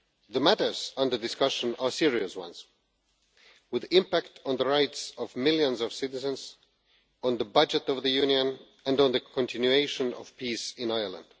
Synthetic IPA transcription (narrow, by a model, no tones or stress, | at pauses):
ðəmæɾə˞zʌ̃nðə˞dɨskʌʃə̃nə˞sɪɹiɨswʌ̰̃nz̥ | wɨðɪ̃mpæk̚tʰn̩ðəɹaɪtsʌvmɪlˠjə̃nzʌv̥sɪɾɨzə̃nz | ə̃nðəbʌd͡ʒɨɾʌvðɨjʉ̃njɨ̃n | ɨ̃ndn̩ðɨkʰə̃ntʰɪ̃njueɪʃɨ̃nʌ̰v̥pʰisɪ̃naɪə˞lˠə̰̃nd̥